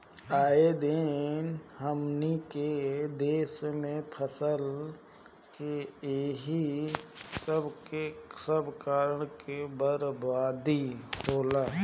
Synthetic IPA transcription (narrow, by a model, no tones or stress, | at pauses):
aːed̪enɦəmniked̪eːsmẽpʰəsəl | keeɦi | səbesəbkaːɾəɳ̃kebəɾbaːd̪ikoːlaː